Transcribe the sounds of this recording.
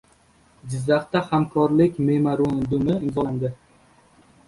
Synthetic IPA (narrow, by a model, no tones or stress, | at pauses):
d͡ʒɪzːaχt̪ahamkʰɒɾlɪkʲmemaɾond̪ʊmɪɪmzɒland̪ɪ